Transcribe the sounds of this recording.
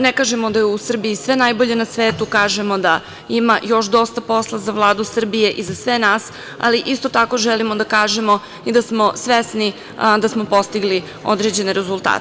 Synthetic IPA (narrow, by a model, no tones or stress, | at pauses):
nekaːʒe̞mo̞d̪ajeusr̩biisʋenajbo̞ʎe̞nasʋeːt̪ukaːʒe̞mo̞d̪a | imajo̞ʃd̪o̞st̪apo̞slˠazaʋlˠaːd̪usr̩bije̞ʔizasʋenaːs | a̰liʔist̪o̞t̪ako̞ʒɛlimo̞d̪akaːʒe̞mo̞ | id̪asmo̞sʋesni | d̪asmopo̞st̪iɡli | o̰d̪ɾed͡ʑe̞neɾezulˠt̪a̰ː